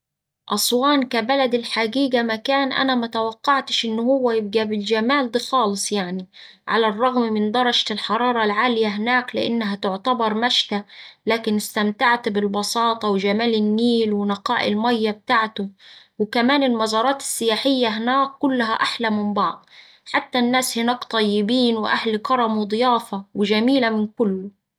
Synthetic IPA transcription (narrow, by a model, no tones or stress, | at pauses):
ʔɑsˤwɑːnkabælæd̪ɪlħaɡiːɡamækaːnʔa̰næmæt̪awɑqːɑʕt̪ɪʃʔɪnːʊhʊwːæjɪb̚ɡæbɪld͡ʒæmaːld̪æːxɑːlɨsˤjaʕni | ʕa̰larˤːɑɣmmɪnd̪ˤɑɾˤɑʒt̪ɪlħɑɾˤɑːɾˤɑlʕaːlɪjaɦɪnaːklɪ̰ʔa̰nːaɦæt̪ʊʕt̪abɑɾˤmaʃt̪alaːkɪnɪst̪amt̪aʕt̪bɪlbɑsɑːt̪ˤɑwɪʒamaːlɪnːiːlwɪnɑqɑːʔɪlmajːab̚t̪aʕt̪ʊ | wɪkamaːnɪlmɑzɑːɾˤɑːt̪ɪ̥sːɪjaːħɪjːaɦɪnaːkːʊlːɦaʔaħlamɪmbɑʕd̪ˤ | ħat̪ːanːaːshɪnaːkt̪ˤɑjːɪbiːnwʔahlkɑɾˤɑmwɪd̪ˤjɑːfɑwɪʒamiːlamɪnkʊlːʊ